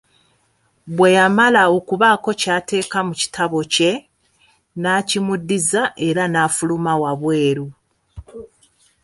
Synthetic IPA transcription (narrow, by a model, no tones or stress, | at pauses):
βwe̞jamalao̞kuβako̞caːte̞ːkamuci̥tʰaβo̞ce̞ | nacimudːizaʔe̞ɾanaːfulumawaβwe̞ːɾu